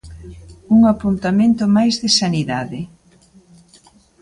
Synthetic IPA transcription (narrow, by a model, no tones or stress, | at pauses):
uŋapunt̪amẽnt̪ʊmajzðɪsaniðaðɪ